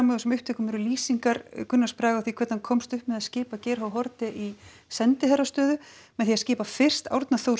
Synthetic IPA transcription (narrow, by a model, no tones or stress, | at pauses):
amɔðʏsɛmʏhpt̪ʰɛːkʏmɛɾʏliːsiŋkaɾkʏnːaspɾaːɣawθikʰɛt̪nankʰɔmst̪ʏhpmɛðascɪːpacɛːɾɦawɦɔɾt̪ɪʔi | sɛnt̪ɪhɛɾast̪œːðʏmɛðθiascɪːpafɪr̥st̪a̰wɾt̪naθow